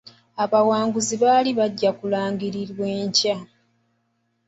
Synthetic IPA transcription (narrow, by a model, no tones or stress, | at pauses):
aβawaːŋɡuziβaːliβaɟːakulaːŋɡiɾiɾwe̞ːɲca